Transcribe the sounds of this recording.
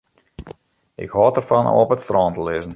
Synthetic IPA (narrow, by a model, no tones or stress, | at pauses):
ʔɪ̰khɔːtərfɔno̰ːpətstrɔːntəlɪzən̩